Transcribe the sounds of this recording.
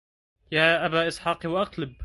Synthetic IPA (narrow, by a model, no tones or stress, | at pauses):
jaːʔabaːʔɪsˤħɑːqiwaʔɑqlɪb̚